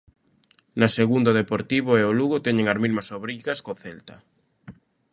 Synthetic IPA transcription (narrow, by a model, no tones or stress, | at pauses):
naseɣund̪oðepoɾt̪iβoeoluɣot̪ɛɲeŋaɾmizmasoβɾiɣaskoθelt̪a